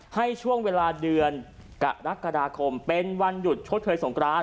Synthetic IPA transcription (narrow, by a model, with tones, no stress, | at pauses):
ha˥˩jt͡ɕʰu˥˩əŋweː˧laː˧dɯ˧ən | ka̰˨˩ʔɾa˦˥kːa˧daː˧kʰo˧mpe˧nwa˧nju˨˩t̪̚t͡ɕʰo˦˥t̪̚t͡ɕʰɤː˨˧jso˩˦ŋkɾaː˧˥